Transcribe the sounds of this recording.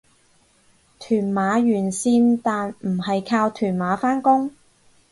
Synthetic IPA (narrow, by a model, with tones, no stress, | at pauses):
t̪ʰyː˨˩nmaː˨˧jyː˨˩nsiː˧nt̪aː˨nm̩˨˩hɐ˨jkʰaː˧wt̪ʰyː˨˩nmaː˨˥faː˥nkʊ˥ŋ